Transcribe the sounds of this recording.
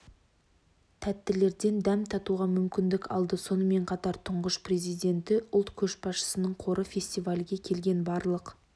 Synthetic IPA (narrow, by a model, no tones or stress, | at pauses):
t̪ʰæt̪ːɪle̞ɾd̪e̞nd̪æmt̪ʰɑt̪uʁɑmʏmkʲɪnd̪ɪkɑ̰lˠd̪əso̞nəme̞ɴqʰɑt̪ɑɾt̪ʰʊɴʁəʃprezijd̪e̞nt̪ɪʔʊlˠt̪kʲʰɵʃbɑsʃə̥sənəɴqʰo̞ɾʔəfʲe̞sʲt̪ijvalʲɡʲe̞kʲʰe̞lɡʲe̞nbɑɾlˠəq